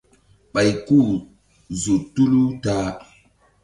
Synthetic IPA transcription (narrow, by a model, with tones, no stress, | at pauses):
ɓa˨jku˦˨ | zu˨tu˦lu˦taː˦